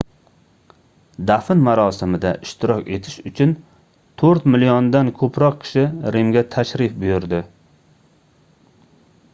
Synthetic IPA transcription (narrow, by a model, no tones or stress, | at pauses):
d̪afɪnmaɾɒsɪmɪd̪aʔɪʃt̪ʰɪɾɒkʲe̞t̪ʰɪʃʊt͡ʃʰʊn | t̪ʰɵɾt̪mɪlijɒnd̪ankʰɵpʰɾɒqkʲʰɪ̥ʃɪɾemɡʲat̪ʰaʃɾɪfbʊjʊɾd̪ɪ